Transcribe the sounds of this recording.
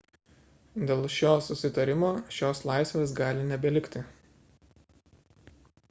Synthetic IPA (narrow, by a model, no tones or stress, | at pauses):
d̪ʲeːlˠʃʲoːsʊsʲɪt̪ɐɾʲɪmoːʃʲoːslˠɑˑɪsʲʋʲeːs̬ɡɑːlʲɪnʲɛbʲɛlʲɪkt̪ʲɪ